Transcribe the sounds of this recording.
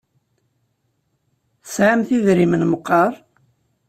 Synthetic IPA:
θəsʕamθiðɾimənməqːɑɾˤ

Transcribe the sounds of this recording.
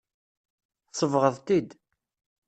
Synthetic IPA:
sˤəvʁəðˤt̪id̪

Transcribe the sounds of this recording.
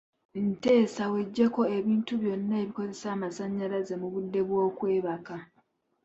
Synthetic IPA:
nte̞ːsawe̞ɟːe̞ko̞e̞βiːntuβjo̞nːaeβiko̞ze̞saːmasaɲːalaze̞muβudːe̞βwo̞ːkwe̞ːβaka

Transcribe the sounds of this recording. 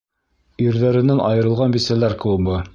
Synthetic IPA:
iɾðæɾɘ̆nænʔɑ̰jɤ̆ɾɤ̆lˠʁɑnbisælæɾkɤ̆wɤbɤ

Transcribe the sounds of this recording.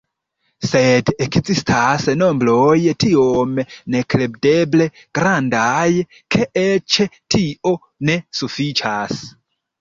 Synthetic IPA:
se̞dekzistʰasno̞mbɾo̞jtiomne̞kɾebde̞ble̞ | ɡ̥ɾandaj | kʰe̞ʔet͡ʃetʰiʔo̞ | ne̞sufit͡ʃas

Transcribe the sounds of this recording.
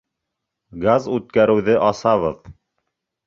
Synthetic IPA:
ɡazʉt̪̚kæɾɘ̆wðɘʔɑsɑβɤð

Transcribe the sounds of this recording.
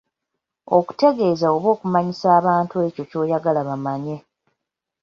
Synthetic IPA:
o̞ku̥te̞ɡe̞ːzao̞βo̞ːkumaɲisaːβaːntue̞co̞co̞ːjaɡalaβamaɲe̞

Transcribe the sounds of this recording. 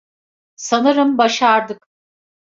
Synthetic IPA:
sanɯɾɯmbaʃaɾd̪ɯk

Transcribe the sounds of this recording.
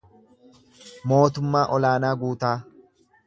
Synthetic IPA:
mo̞ːt̪ʊmːaːʔɔlaːnaːɡuːt̪aː

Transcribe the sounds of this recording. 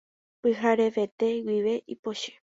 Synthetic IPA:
pɨɦaɾeʋe̞t̪e̞wiʋe̞ʔipoʃe̥

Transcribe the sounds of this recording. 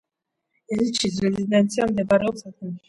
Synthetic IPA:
ɛzit͡ʃʰis̬ɾɛzid̪ɛnt̪sʰiamd̪ɛbaɾɛɔpsak̪̚ʰɛn

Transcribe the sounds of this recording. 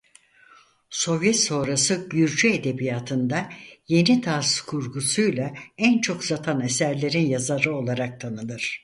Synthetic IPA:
so̞vjɛt̪so̞ːɾasɯɟyɾd͡ʒyed̪e̞bijaːt̪ʰɯnd̪aje̞nit̪ʰaskʰuɾɡusujlˠaænt͡ʃʰo̞kzat̪ʰanesæɾlʲe̞ɾinjazaɾɯo̞lˠaɾak̚t̪ʰanɯlˠɯɾ̥

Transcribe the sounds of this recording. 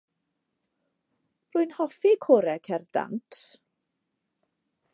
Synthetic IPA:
rʊːɨnhɔfikʰoɾɛkʰɛrda̰ntʰ

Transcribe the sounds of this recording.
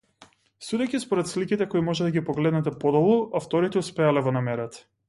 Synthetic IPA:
sud̪ɛjkʲispɔɾɛt̪slikit̪ɛkɔimɔʒɛd̪aɡʲipɔɡlɛd̪nɛt̪ɛpɔd̪ɔbˠɔʔaft̪ɔɾit̪ɛuspɛalɛvɔnamɛɾat̪ḁ

